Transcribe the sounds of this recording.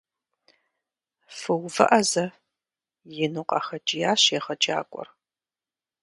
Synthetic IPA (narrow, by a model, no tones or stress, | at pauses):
fɨwvɐ̰ʔɐzɐ | jɪnuqʼɐ̰xɐd͡ʒʼɪjaːɕeːʁɐd͡ʒʼa̰ːkʷʼɔ̰r